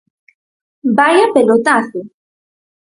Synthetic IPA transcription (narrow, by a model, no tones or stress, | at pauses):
bajapelot̪aθʊ